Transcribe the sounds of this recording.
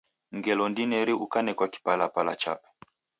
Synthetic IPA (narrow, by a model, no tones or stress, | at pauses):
ŋɡɛlɔndinɛɾiukanɛkwaki̥palapala̰t͡ʃa̰pɛ̥